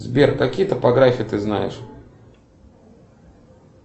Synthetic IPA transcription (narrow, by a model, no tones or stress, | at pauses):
zbʲerkːɐkʲijət̪əpɐɡɾafʲɪət̪ɨznajɪ̰ʂ